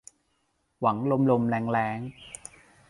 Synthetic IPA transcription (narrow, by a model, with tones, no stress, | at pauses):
wa˩˦ŋlo˧mlo˧mlɛː˨˧˥ŋlɛː˦˥ŋ